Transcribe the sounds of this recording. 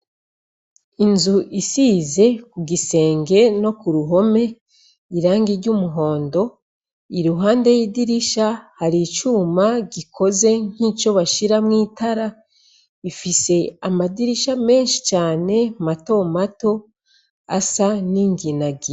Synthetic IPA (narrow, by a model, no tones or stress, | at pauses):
inzuʔisize̞kuɡise̞ːŋɡe̞no̞kuɾuɦo̞me̞ | iɾaːŋɡiɾɟumuɦo̞ːndo̞ | iɾuɦaːnde̞jidiɾiʃahaɾit͡ʃumaɡikʰo̞ze̞ŋ̥hiːt͡ʃo̞βaʃiɾamŋiːtʰaɾa | ifise̞amadiɾiʃame̞ːnʃi̥t͡ʃaːne̞mato̞mato̞ | a̰saniŋɡinaɡi